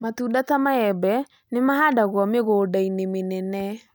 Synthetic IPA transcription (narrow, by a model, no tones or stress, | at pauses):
matudatamaɛbɛ | nemaɦadaɣwɔmeɣoːdainemenɛnɛ